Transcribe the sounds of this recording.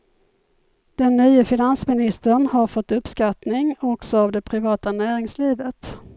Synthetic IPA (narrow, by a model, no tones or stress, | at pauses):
d̪̥ɛnːyːəfɪnansmɪnɪst̪əɳhaɾfɔt̪ːɵpskat̪nɪŋɔksɔavd̪ɛpʰɾɪvɑːt̪anæːɾɪŋsliːvət̪